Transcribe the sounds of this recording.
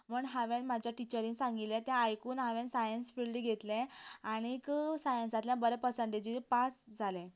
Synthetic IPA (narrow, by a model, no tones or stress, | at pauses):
məɳɦaʋẽnmad͡ʑjaʈit͡ɕəɾĩnsãŋɡit̪lẽt̪jãajkuːnɦaʋɛ̃nsajənsfiɭliɡʱet̪lɛ̃aɽ̃ikəsajənsat̪ljãbəɾɛpəsəɳʈed͡ʑipasd͡zʱalẽ